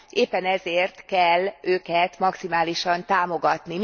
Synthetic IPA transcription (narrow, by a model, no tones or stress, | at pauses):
eːpːɛnɛzeːrt̪kɛlːøːkɛt̪mɒksimaːliʃɒnt̪aːmo̞ɡɒt̪nim